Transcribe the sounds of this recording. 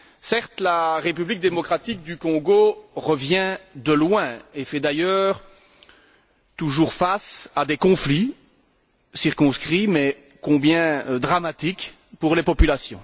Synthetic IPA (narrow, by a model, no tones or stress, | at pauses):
sɛʁt̪laʁep̬yblik̚d̪emɔkχat̪ik̚d̪ykɔ̃ɡoʁəvjɛ̃d̪əlwɛ̃efɛd̪ajœːʁ | t̪uʒuːʁfasad̪ekɔ̃fli | siʁkɔ̃skχimɛ | kɔ̃bjɛ̃d̪ʁamat̪ik | puʁlepɔpylasjɔ̰̃